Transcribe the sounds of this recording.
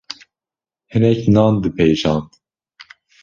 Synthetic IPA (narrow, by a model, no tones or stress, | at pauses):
hɨnɛknɑːnd̪ɨpʰejʒɑːnd̪